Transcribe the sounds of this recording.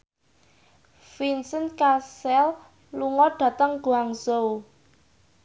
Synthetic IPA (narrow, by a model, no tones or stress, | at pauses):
finsənkasɛl | luŋɔɖ̥ä̤t̪əŋɡ̥uaŋsow